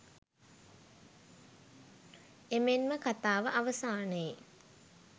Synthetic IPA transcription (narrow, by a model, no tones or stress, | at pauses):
emenməkat̪aːʋəʔaʋəsaːnəje